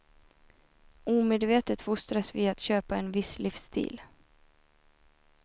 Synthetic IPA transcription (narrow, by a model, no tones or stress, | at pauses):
uːmeːd̪veːt̪ət̪fʊst̪ɾasvɪːat̪ɕøːpaɛnvɪslɪfst̪ʰḭːl